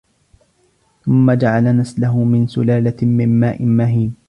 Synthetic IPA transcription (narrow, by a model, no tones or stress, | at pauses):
θʊmːad͡ʒaʕalanaslaɦʊmɪnsʊ̰laːlamɪmːaːʔɪmaɦiːn